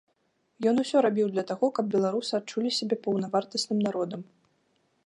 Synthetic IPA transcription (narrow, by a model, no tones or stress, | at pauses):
jɔnusʲɔɾabʲiwd̪lʲɐt̪aɣɔkɐb̚bʲɛlˠaɾusɨat͡ʂulʲisʲabʲɛpɐwnɐvart̪ɐsnɨmnaɾɔd̪ɐm